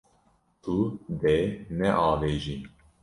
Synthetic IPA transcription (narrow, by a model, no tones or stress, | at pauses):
t̪ʰud̪enɛʔɑːveːʒi